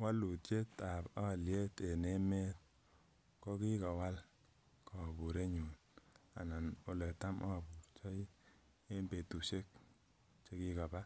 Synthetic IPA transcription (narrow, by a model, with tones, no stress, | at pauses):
wa˦lu˨tt͡ʃe˦ta˨pa˦˨lje˦te˨ne˦me˦t̚ | kɔ˦ki˦kɔ˨wa˦l | kʰɔ˨bu˨ɾe˦ɲu˨n | a̰˨na˨no˨le˨ta˦mʔa˦˨bu˨t͡ʃɔ˦j | e˦mbe˨tu˨ʃe˦k̚ | t͡ʃe˦ki˦ka˨ba˦